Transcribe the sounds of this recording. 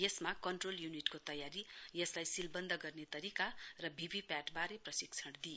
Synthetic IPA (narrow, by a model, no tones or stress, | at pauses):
jesmakʌɳʈroljuniʈkot̪ʌjaɾijʌslajsilbʌnd̪ʱʌɡʌrnet̪ʌɾikarʌbʱibipaʈbaɾeprʌsiɡt͡sʰʌɽd̪i